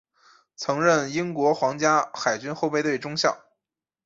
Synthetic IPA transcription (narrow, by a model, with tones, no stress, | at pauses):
t͡sʰɤ˧˥ŋɻə˥˩ni˥ŋkwɔ˧˥xwɑ˧˥ŋt͡ɕja˥xa˨˩ɪt͡ɕy˥nxo˥˧ʊpe˥˧ɪt̪we˥˩ɪʈ͡ʂʊ˥ŋɕjɑ˥˩ʊ